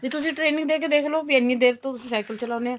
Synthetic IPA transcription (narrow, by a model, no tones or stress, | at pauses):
d͡ʒit̪ʊsĩːʈɾeːnɪ̃ŋɡd̪eːkeːd̪eːkʰloːpjɛːniɪ̃d̪eːʋt̪õsĩːsaːkəlt͡ʃəlaːneːãː